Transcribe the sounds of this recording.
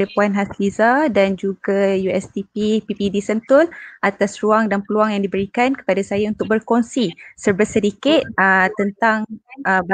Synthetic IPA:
dapuanɦaslizadand͡ʒuɡajuɛst̪ipipipidisənt̪ʊlʔat̪asruaŋdanpəluaŋjaŋdibəɾikankə̥padasajaunt̪ʊk̚bərkonsisərbəsəɾikɪt̪̚ət̪ːənt̪aŋəb

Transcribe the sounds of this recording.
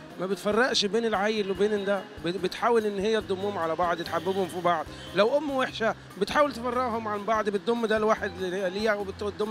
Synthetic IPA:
mæbet̪fɑrˤːɑʔʃbeːnelʕajːelwebeːnnd̪æ | bbet̪ħaːwelʔenːhejːæd̪ˤːomːuhmʕalæbɑʕd̪ˤjet̪ħabːebhomfibɑʕd̪ˤ | læwʔomːweħʃæ | bet̪ħaːwelt̪efɑrˤːeʔhomʕanbɑʕd̪ˤbet̪̚d̪omːd̪ælwaːħed̪liːæwebet̪ːtd̪ːomː

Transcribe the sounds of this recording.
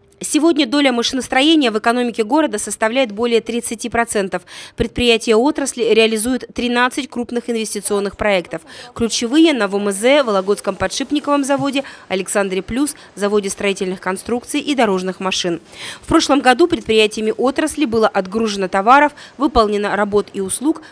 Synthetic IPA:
sʲɪvo̞dʲnʲəd̪o̞lʲəmɐʂɨnəst̪ɾɐjenʲɪjəvɨkɐno̞mʲɪkʲɪɡo̞ɾəd̪əsəst̪ɐvlʲæjɪt̪̚bo̞lʲɪjət̪ɾʲɪt̪sɨtʲipɾɐt̪sɛnt̪əfpɾʲɪt̪pɾʲɪjætʲɪjəo̞t̪ɾəsʲlʲɪɾʲɪɐlʲɪzujʊt̪ːɾʲɪnat̪sɨtʲkɾupnɨxɪnvʲɪsʲtʲɪt̪sɨo̞nːɨxpɾɐɛkt̪əfklʲʉt͡ɕɪvɨjənəvoməzɛvəlˠɐɡo̞t̪skəmpɐt̪ʂɨpnʲɪkəvəmzɐvo̞dʲɪɐlʲɪksand̪ɾʲɪplʲus | zɐvo̞dʲɪst̪ɾɐitʲɪlʲnɨxkɐnst̪ɾukt̪sɨjʔid̪ɐɾo̞ʐnɨxmɐʂɨnfpɾo̞ʂlˠəmɡɐd̪upɾʲɪt̪̚pɾʲɪjætʲɪjəɪmʲɪʔo̞t̪ɾəsʲlʲɪbɨlˠəʔɐd̪ɡɾuʐɨnət̪ɐvaɾəfvɨpəlˠnʲɪnəɾɐbo̞t̪iʊslˠuk

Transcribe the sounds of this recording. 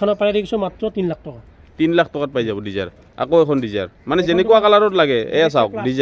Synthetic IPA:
anapaɛɾɛkisɔmatɹɔtinlak̚ʰtɔka | tinlakʰtɔkat̚pajzabɔdiza̰ɹ | a̰koɛkʰɔndiza̰ɹmanɛzɛnɛkuwakalaɾɔtlaɡɛɛ̰jas̬awk̚diza

